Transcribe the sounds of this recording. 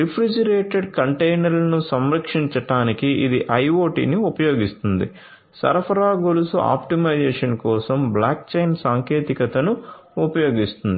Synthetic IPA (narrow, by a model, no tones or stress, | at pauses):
ɾipʰɾid͡ʒɐɾeːʈeɖkɐɳʈejnɐɾlɐnusɐmɾɐkʂiɲt͡ʃɐʈaːnikiʔid̪iʔɐjʋoːʈḭːniupɐjo̞ːɡist̪und̪ḭ | sɐ̰ɾɐpʰɐɾaːɡolusuʔa̰ːpʈimɐjd͡ʒɛːʂɐnkɔːsɐmblaːk̚t͡ʃɐjnsaːŋkeːt̪ikɐt̪ɐnuupɐjo̞ːɡist̪und̪ii